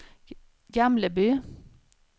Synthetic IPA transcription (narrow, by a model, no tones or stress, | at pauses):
ɡɑmləbyː